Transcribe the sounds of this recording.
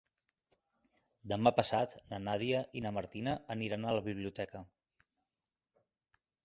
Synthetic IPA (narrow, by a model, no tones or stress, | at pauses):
d̪əmapəsat̪nənaðiəʔinəməɾt̪inəʔːniɾanələβiβ̞liut̪ɛkə